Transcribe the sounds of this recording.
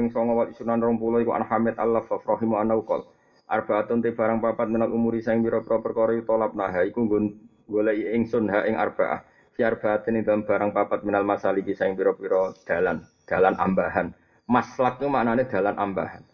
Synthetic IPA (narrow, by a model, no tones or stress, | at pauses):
ɪŋsɔŋɔwalisunanrɔŋpulɔikuʔa̰nhamɪt̪̚a̰lafafrɔɦimɔanaukɔ̰l | ʔa̰rb̥a̤at̪ʊnt̪ib̥a̤ɾaŋpapat̪̚minalumuɾisaɪŋpiɾɔpiɾɔpərkɔɾɔjut̪ɔlap̚naɦaikuŋɡon | ŋɡoleɪŋsʊnɦaʔɪŋa̰rb̥a̤̰ʔa̰h | fiarb̥at̪ɪnɪŋd̪aamb̥a̤ɾaŋpapat̪̚minalmasalipisaɪŋpiɾɔpiɾɔd̪̥a̤land̪̥a̤lanʔa̰mbaɦan | maslak̪̚ɲumaʔnaned̪̥a̤lanʔambahan